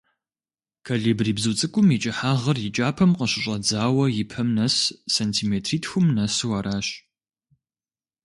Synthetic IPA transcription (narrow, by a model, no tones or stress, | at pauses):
kʰaːɮiːbriːbzuːt͡sʼɨkʷʼʊmit͡ʃʼɪħaːʁɐrjɪt͡ʃʼaːpʰɐmqəɕɪɕʼɐd͡zaːwɐjɪpʰɐmnɐsːentʰiːmeːtʰriːtʰxʊmnɐswɐɾaːɕ